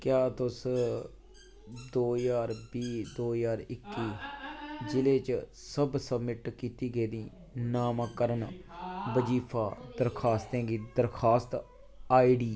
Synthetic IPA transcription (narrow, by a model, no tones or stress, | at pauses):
kjaːt̪ʊs | d̪oːjaːɾbiːd̪oːjaːɾɪkːiː | d͡ʒɪleːt͡ʃ | səbsəbmɪʈkiːt̪iːɡəiːd̪iː | naːmãːkəɾənbəd͡ʒiːpʰaːd̪əɾkʰaːst̪ɛ̃ːɡiːd̪əɾkʰaːst̪ | aːiɖiː